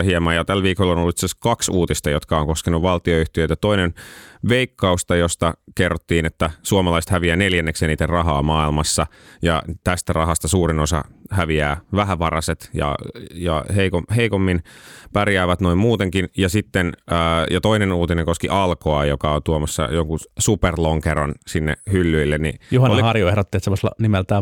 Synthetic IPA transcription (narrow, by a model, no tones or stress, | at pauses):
hiemɑːjɑt̪ælʋiːkolːonolːuit̪seskɑksuːt̪ist̪ɑjot̪kɑoŋkoskenuʋʋɑlt̪ioyht̪iøt̪æt̪oinenʋeikːɑust̪ɑjost̪ɑkerːot̪ːiːnet̪ːæsuomɑlɑist̪hæʋiæːneljænːekseːniːt̪erɑɦɑːmɑːilmɑsːɑjɑ̰t̪æst̪ærɑɦɑst̪ɑsuːrinosɑ̰hæʋiæːʋæɦæʋɑrɑset̪jɑ̰jɑ̰heikoheikomːinpærjæːʋæt̪noimmuːt̪eŋkinjɑsit̪ːenəːjɑt̪oinenuːt̪inẽŋkoskiʔɑlkoɑjokɑont̪uomɑsːɑ̰joŋkusuperloŋkeɾo̰nsinːḛhylːyilːennḭjuhɑolihɑrjoehɾot̪ːiet̪semːoselɑ̰nimelt̪æː